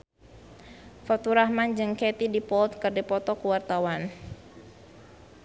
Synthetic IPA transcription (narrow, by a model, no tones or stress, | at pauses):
fɔt̪uɾahmand͡ʒɨŋkɛt̪idipɔlt̪̚kɨrdipɔt̪ɔkuwart̪awan